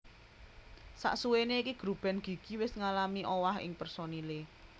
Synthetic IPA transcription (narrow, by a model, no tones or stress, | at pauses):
sa̰ʔsuweneikiɡ̥ɾub̥ɛ̤nɡ̥i̤ɡ̥i̤wɪsŋalamiʔowaɦɪ̰ŋpərsonile